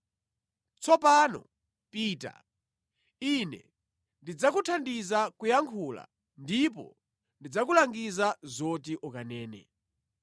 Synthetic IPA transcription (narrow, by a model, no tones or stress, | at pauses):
t͡sɔpaːnɔ̰ | piːta̰ | inɛ̰ | ndid͡zakutʰandizakujaŋkʰula̰ | ndip̬ɔ̰ | ndid͡zakulaŋɡizazɔtiʔɔkanɛːnɛ̰